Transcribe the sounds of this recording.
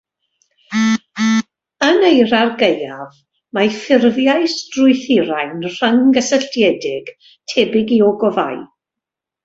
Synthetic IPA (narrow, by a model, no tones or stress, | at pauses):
ənejɾarɡejav | mafɪrvjajstrʊɨθɪɾajnr̥əŋɡəsəɬtjɛdɪɡ̥ | tʰɛbɪɡiɔɡɔva̰j